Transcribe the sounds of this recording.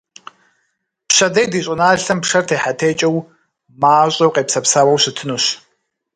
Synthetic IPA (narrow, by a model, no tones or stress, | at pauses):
pɕɐdɐjdiːɕʼʊnaːɬɐmpʂɐrtʰeːħatʰeːt͡ʃʼɐw | maːɕʼɐwqʼeːpsɐpsaːwɐwɕɨtʰɨnuɕ